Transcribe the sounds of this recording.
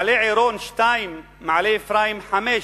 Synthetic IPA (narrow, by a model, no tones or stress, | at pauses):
leːʕiːɾoːnʃt̪ajmː | aʕleːfɾaːjɪmħameː